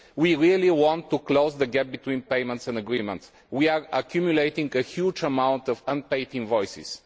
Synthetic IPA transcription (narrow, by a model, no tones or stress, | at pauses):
wiɹiəliwɔ̃nt̪ːukloʊzd̪əɡɛp̚bit̪wĩnpeɪmə̃nt̪sɛ̃ndəɡɹĩmɛ̰̃nt̪s | wiaɹəkʰjumjuleɪt̪ĩŋɡəxjud͡ʒəmãʊ̃nt̪ɔvə̃npeɪt̪ɪ̃ŋvɔjsɪ̰s